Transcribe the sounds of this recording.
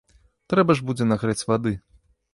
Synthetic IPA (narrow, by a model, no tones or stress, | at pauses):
t̪ɾɛbɐʐbud͡zʲɛnaɣɾat͡sʲvad̪ɨ